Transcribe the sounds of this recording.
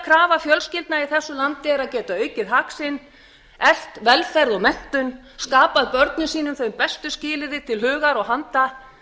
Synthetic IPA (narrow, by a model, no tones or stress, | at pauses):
kʰɾaːvafjœlscɪlt̪naiθɛsːʏlant̪ɪɛɾaðcɛːt̪aœɥcɪðɦaksɪn | ɛl̥t̪vɛlfɛɾðɔɣmɛn̥t̪ʏn | skaːpaðpœɾt̪nʏsiːnʏmθœjmpɛst̪ʏscɪːlɪðɪt̪ʰɪlɦʏːɣaɾɔɣɦant̪a